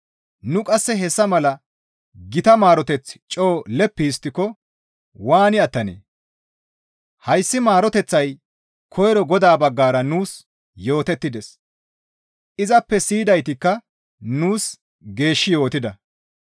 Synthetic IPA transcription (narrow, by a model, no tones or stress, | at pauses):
nʊkʼɐsːɛɦɛsːɐmɐlɐ | ɡɪt̪ɐmaːɾɔt̪ɛt͡st͡ʃʼo̞ːlɛpːiɪst̪ːɪkɔ | waːnɪɐt̪ːɐnḛː | hɐjsːɪmaːɾɔt̪ɛt͡sːɐj | kʰɔjɾɔɡɔd̪aːbɐɡːaːɾɐnuːs | jo̞ːt̪ɛt̪ːɪd̪ɛs | ʔɪzɐpːɛsiːd̪ɐjt̪ɪkːɐ | nuːs | ɡe̞ːʃːɪjo̞ːt̪ɪd̪ɐ